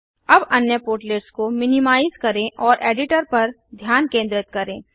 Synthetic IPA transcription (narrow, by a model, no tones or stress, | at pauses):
ɐbɐnjəpoːɾʈleːʈskomɪnɪmaːɪzkɐɾẽʔɔːɾʔeːɖɪʈəɾpɐɾ | d̪ʱjaːnkẽːnd̪ɾɪt̪̚kɐɾẽː